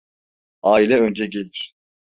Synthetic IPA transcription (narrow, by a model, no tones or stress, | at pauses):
aːilʲɛønd͡ʒɛɟelʲiɾ̥